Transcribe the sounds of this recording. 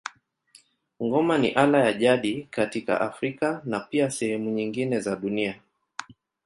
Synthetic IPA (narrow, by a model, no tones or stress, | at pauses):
ŋɡɔmanḭʔalajaʄaɗikatika̰ʔafɾikanapiasɛhɛmuɲiŋɡinɛzaɗunia